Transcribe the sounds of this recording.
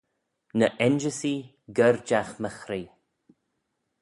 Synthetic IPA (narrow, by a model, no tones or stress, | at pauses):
nəʔɛnd͡ʒəsi | ɡəɾd͡ʒaxməxɾiː